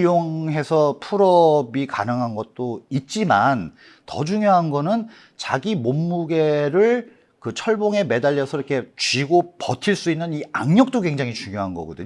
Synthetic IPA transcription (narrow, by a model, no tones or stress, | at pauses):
joŋɦe̞sʰʌpʰuɾʌbika̰nɯŋɦanɡʌt̚t͈oit̚t͡ɕ͈iman | tʌ̰d͡ʑuŋjoɦanɡʌnɯn | t͡ɕaɡimomːuɡe̞ɾɯɭ | kɯt͡ɕʰʌɭboŋe̞me̞daʎːʌsʰʌɾʌkʰe̞t͡ɕɥiɡopʌtʰiɭs͈uinːɯnia̰ŋɲʌk̚t͈okwe̞ŋd͡ʑaŋit͡ɕuŋjoɦanɡʌ̰ɡʌdɯɲ